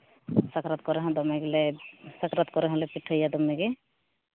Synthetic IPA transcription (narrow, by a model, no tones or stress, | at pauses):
sakʰɾat̪̚kɔɾɛɦɔ̃d̪ɔmɛɡilɛsakɾat̪kɔɾɛɦɔ̃lɛpiʈʰːɔjad̪ɔmːɛɡe